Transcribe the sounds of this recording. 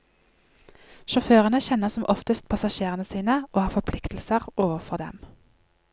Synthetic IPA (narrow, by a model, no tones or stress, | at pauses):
ʃɔføːʁənəçɛnəʁsɔmʔɔft̪əst̪̚pʰɑsɑʃeːʁənəsiːnəoːhɑːfɔpʰlɪkt̪l̩səʁʔoːʋəʁfɔʁd̪ɛ̰m